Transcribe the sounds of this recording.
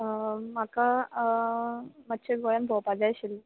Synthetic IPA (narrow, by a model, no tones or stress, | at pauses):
maka | matːɕʰeɡojənbʱɔwpad͡zajɕilː